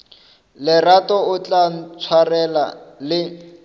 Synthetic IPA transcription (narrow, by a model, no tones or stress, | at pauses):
lɪratɔʊt͡ɬʼat͡sʰwarɛla̰lɪ